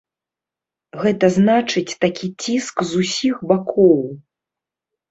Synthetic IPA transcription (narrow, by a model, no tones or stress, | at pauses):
ɣɛt̪ɐznat͡ʂɨt͡sʲt̪akʲit͡sʲiskzusʲixbakʰɔw